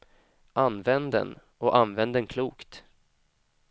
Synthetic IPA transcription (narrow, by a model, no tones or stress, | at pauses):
ʔanvɛnd̪ə̰n | ɔʔanvɛnd̪ənkʰluːkt̪